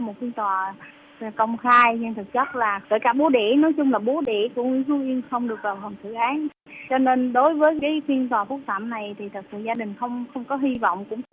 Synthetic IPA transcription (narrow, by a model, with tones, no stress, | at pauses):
mo˨˩t̚fi˧nt̪waː˨˩˨ | kə˧wŋ͡mxaː˧jɲa˧t̪ʰɨ˨˩k̚t͡ɕə˦˥t̚laː˨˩kəː˧˩jkaː˦˥k̚ɓo˨˦ɗḛ˧˨nɔ˨˦jt͡ɕʊ˧ŋ͡mlaː˨˩ɓo˨˦ɗḛ˧˨ku˧˥əwḭ˧˥˦nfu˨˦ŋʔi˧ənxə˧wŋ͡mɗɨ˨˩ək̚vaː˨˩wɦə˨˩nsɨ̰˧˩ʔaː˨˦n | t͡ɕɔ˧ne˧nɗo˨˦jvəː˨˦jkaː˨˦jxwi˧ənt̪waː˨˩fu˦˥t̚t̪a̰ː˧˩mna˨˩jt̪ʰi˨˩t̪ʰə˨˩k̚sɨ˨˩zaː˧ɗï˨˩ŋ̟xə˧wŋ͡mxə˧wŋ͡mkɔ˨˦ɦi˧vɔ̰˧˨wŋ͡mkʊ̰˧˥ŋ͡m